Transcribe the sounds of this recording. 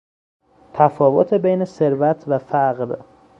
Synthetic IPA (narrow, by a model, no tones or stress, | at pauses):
t̪ʰæfɒːvot̪ʰebejne̞se̞ɾvæt̪ʰvæfæɢɾ